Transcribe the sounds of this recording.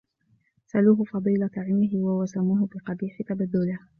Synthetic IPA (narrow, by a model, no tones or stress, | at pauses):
saluːɦʊfɑd̪ˤiːlat̪aʕɪmmɪɦɪwawasamuːɦʊbɪqɑbiːħɪt̪abad̪ːʊlɪh